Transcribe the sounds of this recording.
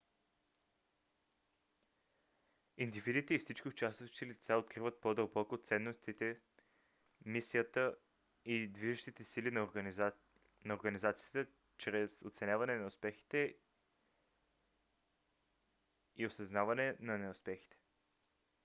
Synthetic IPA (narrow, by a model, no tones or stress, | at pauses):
ind̪ivid̪it̪ɛifsit͡ʃkʲiʊt͡ʃast̪ət͡ʃt̪ɛlit̪saot̪̚kɾivət̪̚pod̪əlˠbɔkot̪sɛnːost̪it̪ɛ | misijət̪ə | id̪viʒəʃt̪it̪ɛsilin | nɐoɾɡənizat̪sijət̪ə | t͡ʃɾɛsot̪sɛnʲavɐnɛnɐʊspɛxi̥t̪ɛ | iosɐznavɐnɛnɐnɛʊspɛxi̥t̪ɛ̥